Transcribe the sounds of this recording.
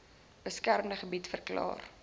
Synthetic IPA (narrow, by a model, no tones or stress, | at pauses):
b̥əskærmdəχəbitfərklɑ̰ːr